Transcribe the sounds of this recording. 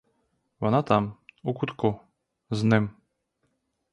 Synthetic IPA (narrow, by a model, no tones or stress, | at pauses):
vanat̪amukut̪kɔ | znɛm